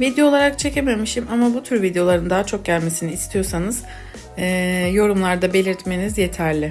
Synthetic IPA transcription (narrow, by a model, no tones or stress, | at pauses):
vid̪ejo̞ːlˠaɾak̚t͡ʃʰece̞me̞miʃimamabut̪ʰyɾvid̪ejo̞lˠaɾɯnd̪aɦat͡ʃʰo̞k̚ɟælʲme̞siniːst̪ʰijo̞sanɯz̥ | ɛːjo̞ɾumlˠaɾd̪abe̞lʲiɾt̪me̞nizje̞t̪ʰæɾlʲɪ